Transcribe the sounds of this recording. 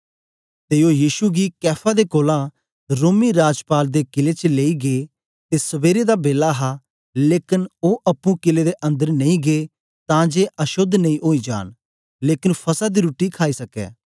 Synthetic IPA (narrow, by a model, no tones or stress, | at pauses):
t̪eojiːʃuɡikɛːpʰad̪ekoːlã | ɾoːmiɾaːd͡ʒpaːld̪ekɪlet͡ʃleːiɡeː | t̪esɐʋeːɾed̪abeːlaɦa | leːkɪnoʔɐpːũkɪled̪eʔɐ̃nd̪əɾnɐ̃ĩɡe | t̪ãd͡ʒeʔɐʃʊd̪ʱnɐ̃ĩʔoːid͡ʒa̰ːn | leːkɪnpʰɐsad̪iɾuːʈːikʰaːisɐkɛ̰ː